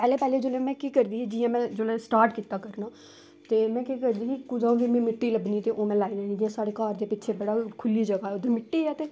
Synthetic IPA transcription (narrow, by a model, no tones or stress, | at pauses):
pɛːleːpɛːleːd͡ʒoːlẽmɛ̃ːkiːkəɾd̪iːɛːd͡ʒɪːjãːmɛ̃ːd͡ʒoːlɛːsʈaːɾʈkiːt̪aːkəɾnaː | t̪eːmɛ̃ːkiːkəɾd̪iːkikʊd͡ʒãːũɡiːmɛ̃ːmɪʈːiːləbniːt̪eːʔoːmɛ̃ːlaːid̪ɛːnĩːd͡ʒijãːsaːɽeːkaːɾd̪eːpɪːʃʰeːbəɽaːkʰʊliːd͡ʒəɡaːɛːod̪ẽːmɪʈːiːɛːt̪eː